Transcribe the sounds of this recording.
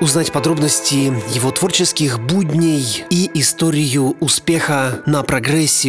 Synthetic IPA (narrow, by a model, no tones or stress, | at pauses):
ʊznatʲpɐd̪ɾo̞bnəsʲtʲɪjɪvot̪vo̞rt͡ɕɪskʲɪxbudʲnʲɪjiʔɪst̪oɾʲɪjʊːspʲexənɐpɾɐɡɾɛsʲːɪ